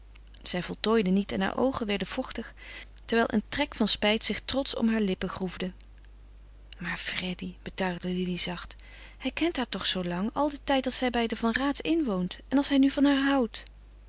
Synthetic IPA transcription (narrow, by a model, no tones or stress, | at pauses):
z̥ɛjvɔlˠtoːjdənitɛnɦa̰ːɹʔo̰wχənʋɛɹdəv̥ɔχtəχ | tɛɹʋɛjlˠʔə̰ntrɛkfɑnspɛjtsɪχtrɔtsɔ̰mɦaːɹlɪpəχruvdə | maːɹfrɛdib̥ətœɥχdəlilizɑχt | hɛjkɛntɦaːɹtɔχsowlɑŋɑ̰lˠdətɛjtɑlˠtsɛjbɛjdəvɑnraːtsɪnʋowntɛnɑlˠsɦɛjnyvɑnɦaːɹɦɑwt